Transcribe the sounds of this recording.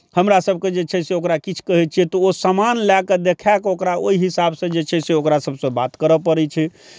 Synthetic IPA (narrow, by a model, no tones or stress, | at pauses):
həmɾasəbʱked͡ʒet͡ʃʰɛseokɾakit͡ʃʰkəɦɛt͡ʃʰiɛt̪ɔosamanlɛked̪ekʰakokɾaoiɦisabsə̃d͡ʒet͡ʃʰɛseokɾasəbʱsə̃bat̪kəɾəpəɾɛt͡ʃʰɛ